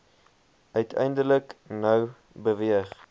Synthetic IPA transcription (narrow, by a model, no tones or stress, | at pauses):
œɥtʰɛ̰jndələknœw | bəviəχ